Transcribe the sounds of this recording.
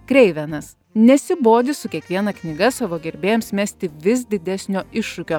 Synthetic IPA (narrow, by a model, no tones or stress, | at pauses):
kɾʲɛɪʋʲɛnɐs | nʲɛsʲɪboːd̪ʲɪsʊkʲiɛkʋʲiɛnɐknʲɪɡɐsɑʋoːɡʲɛɾʲbʲeːjɛmsmʲæːsʲt̪ʲɪʋʲɪs̬d̪ʲɪd̪ʲɛsʲnʲoːɪʃːʊkʲoː